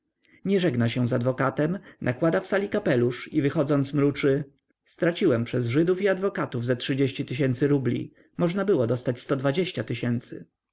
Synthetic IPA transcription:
ɲɛʐɛɡnaɕɛ̃zad̪vɔkat̪ɛmnʔakwad̪afsalʲikapɛluʂivɘxɔd̪zɔnt̪smɾut͡ʂɘ | st̪ɾat͡ɕiwɛmpʂɛzʐɘd̪ufiad̪vɔkat̪uvzɛtʂɘd͡ʑeɕt͡ɕit̪ɘɕ̬ɛnt̪sɘɾublʲḭ | mɔʐnabɘwɔd̪ɔst̪at͡ɕst̪ɔd̪vad͡ʑeɕt͡ɕat̪ɘɕɛnt̪sɘ̰

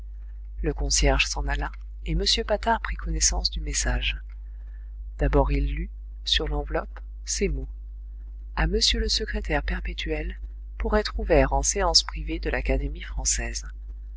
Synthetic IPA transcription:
ləkɔ̃sjɛʁʒsɑ̃nala | eməsjøpat̪aʁpχikʰɔnɛsɑ̃sd̪ymesaʒ | d̪̥abɔʁilːy | syʁlɑ̃vlɔp | semo | aməsjøləsəkχet̪ɛʁpɛʁpet̪ʰɥɛl | puʁɛt̪χuvɛʁɑ̃seɑ̃spχived̪əlakad̪emifχɑ̃sɛz

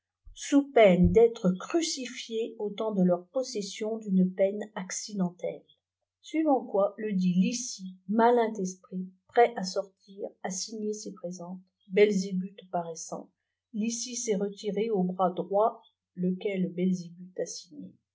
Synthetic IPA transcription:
supɛnd̪ɛt̪χəkχysifjeot̪ɑ̃d̪əlœʁpɔsɛsjɔ̃d̪ynpɛnaksid̪ɑ̃t̪ɛl | sɥivɑ̃kwaləd̪ilisimalɛ̃t̪ɛspχipχɛʔasɔʁt̪ʰiːʁasiɲesepχezɑ̃t̪ | bɛlzebyt̪paʁɛsɑ̰̃ | lisisɛʁət̪iʁeobʁad̪ʁwa | ləkʲɛlbɛlzebyt̪asiɲḛ

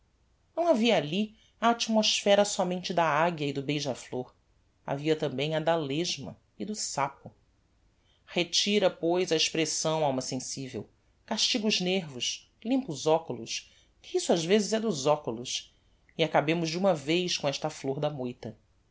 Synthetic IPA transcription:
nɐ̃w̃aviɐali | aːt͡ʃimosfɛɾɐsɔmẽnt͡ʃɪd̪ɐaɡjɐɪd̪ʊbejʒɐfloɾ | a̰viɐt̪ɐ̃mbẽj̃ɐd̪aleʒmɐ̰ | ɪd̪ʊsapʊ | het͡ʃiɾɐpojzɐeʃpɾesɐ̃w̃awmɐsẽsivḛw | kaʃt͡ʃiɡʊʒneɾvʊʃ | lĩmpʊzɔkʊlʊs | kʰɪisʊaʒvezɪzɛd̪ʊzɔkulʊs | iakabẽmʊʒd͡ʒɪũmɐvejskõɛʃt̪ɐfloɾd̪ɐmojt̪ɐ

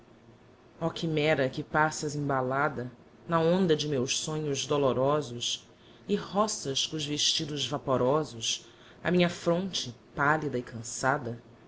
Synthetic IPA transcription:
ɔkimɛɾɐkɪpasɐzĩbalad̪ɐ | nɐõnd̪ɐd͡ʒɪmewʃsõɲʊzd̪oloɾɔzʊs | ɪɦɔsɐskõʊzveʃt͡ʃid̪ʊzvapoɾɔzʊs | ɐ̰mĩɲɐfɾõnt͡ʃɪpalid̪ɐɪkʰɐ̃sad̪ɐ

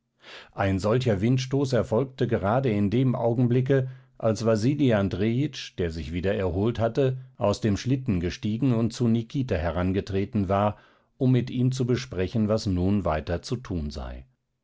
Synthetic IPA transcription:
ʔaɪnzɔlçɐvɪntʃtoːsɛɐfɔlk̚təɡəʁaːdəɪndeːmʔa̰ʊɡŋ̩blɪk̬əʔalsv̥aziːliandʁeːɪt͡ʃd̥eːɐzɪçv̥iːdɐɛɐɦoːlthatəʔaʊsd̥eːmʃlɪtn̩ɡəʃtiːɡŋ̩ʊnt̚t͡sunikʰiːtahɛʁanɡətʁ̥eːtn̩vaːɐ | ʔʊmːɪtʔiːmt͡subəʃpʁ̥ɛçn̩vasnuːnvaɪtɐt͡sutʰuːnza̰ɪ

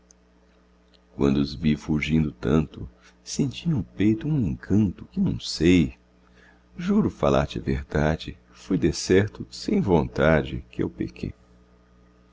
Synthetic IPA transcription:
kwɐ̰̃nd̪ʊʊzvifuʒĩnd̪ʊt̪ɐ̃nt̪ʊ̰ | sẽnt͡ʃiʊ̃pejt̪ʊũẽŋkʰɐ̃nt̪ʊkɪnɐ̰̃w̃sej | ʒuɾʊfala̰ɾt͡ʃɪɐ̰veɾd̪ad͡ʒɪ | fujd̪esɛɾt̪ʊsẽj̃võnt̪ad͡ʒɪ̰kɪḛwpḛkʰḛj

